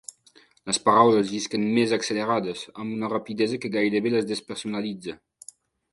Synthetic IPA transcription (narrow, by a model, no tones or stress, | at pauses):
ləspaɾawləzd̪iskənmɛzakseleɾadəsambunərapid̪ɛzəkəɡajd̪eβeləzd̪espeɾsunalid͡zə